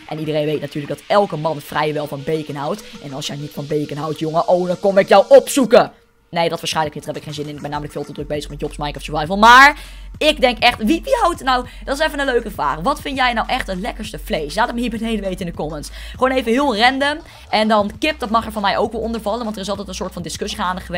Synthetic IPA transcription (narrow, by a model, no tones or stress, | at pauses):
ʔɛnidərejnʋejtnatyːɹləɡdɑtɛlˠkəmɑnfrɛjʋɛlˠfɑnbejkənɦawtʔɛnɑlˠsjɛjnitfɑnbejkənɦawtjʊŋəʔowdɔnkonɪkjawʔopsukə | nejdɔtʋaːɹsχɛjnləknɪthɛpɪkχeːnzɪnɪnɪɡ̚bɛnːaːmələkfɪːlˠtədrɵɡ̚bejzəχmɛt̚jɔpsmajkɔftsəvajvəlˠmaːɹɪɡdɛŋkɛχtʋipiawtnaw | d̥ɔtɪsɛfənənløɥkəvra̰ːχʋɑtfɪntjɛjnawʔɛχtətlɛkəɹstəflejslaːtɪk̚məiːɹbənejdəʋejtəɪndəkɔmənsχwoːnejvəɦɪːlˠrɛndəm | ɛndɑnkɪp̚d̥ɑtmɑχɛɹvɑnmɛjʔowkʋɛlˠɔndəɹvɑlənʋɑntərɪsɑlˠtɛjtənsʊːɹtfɑndɪskɵsiχaːndəχəʋ